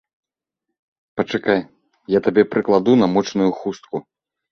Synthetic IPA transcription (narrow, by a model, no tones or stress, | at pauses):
pɐt͡ʂɨkaj | jat̪abʲɛpɾʔɨklˠad̪unɐmɔt͡ʂnujuxust̪̚ku